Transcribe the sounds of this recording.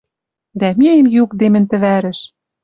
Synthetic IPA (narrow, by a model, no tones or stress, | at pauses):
d̪æmʲeemjukd̪emɘ̆nt̪ɘ̆βæɾɘ̆ʃ